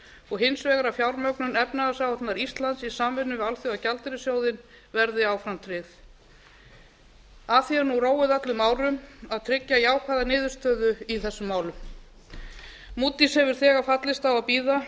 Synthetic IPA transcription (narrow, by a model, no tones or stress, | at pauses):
ɔɣɦɪnsvɛːɣaɾafjawɾmœknʏnɛpnaɣasawt̪naɾist̪lant̪sisaːmvɪnːʏvɪalθjowacalt̪ɪɾɪsjoːwðɪn | vɛɾðɪaːwfɾamt̪ʰɾɪθ | aθjiɛɾnuroːwɪðat̪lʏmaːwɾʏmaðt̪ʰɾɪcːajaːwkʰaðanɪːðʏɾ̥st̪œːðʏiθɛsːʏmːaːwlʏm | muːt̪ishɛvʏɾ̥θɛːɣafat̪lɪst̪awapiːða